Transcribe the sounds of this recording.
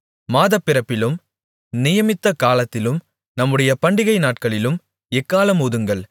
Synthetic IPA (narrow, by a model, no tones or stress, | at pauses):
maːðɐpːɪɾɐpːɪlɯm | nɪjɐmɪt̪ːɐkaːlɐt̪ːɪlɯm | nɐmːɯɽɐjɐpɐɳɖɪɣɐɪnaːʈ̚kɐɭɪlɯm | ɛkːaːlɐmuːðɯŋɡɐɭ